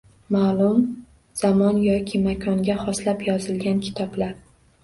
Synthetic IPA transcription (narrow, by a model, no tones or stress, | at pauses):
maːlˠʊm | z̥amɒnjɒkʲʰɪmakʰɒŋɡʲaχɒslapjɒzɪlɡʲankʲʰɪ̥t̪ʰɒblaɾ